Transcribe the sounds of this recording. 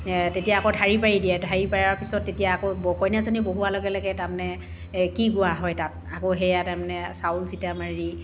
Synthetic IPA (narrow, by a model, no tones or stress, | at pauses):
tetijaːkɔdʱaɹipaɹidiɛdʱaɹipaɹaɹpisɔtːetijaːkobɔkɔjnazaniboɦuwalɔɡɛlɔɡɛtamnɛ | kiɡʊaɦɔjtat̚akoɦɛjataɹmanɛsaʊlsitamaɹi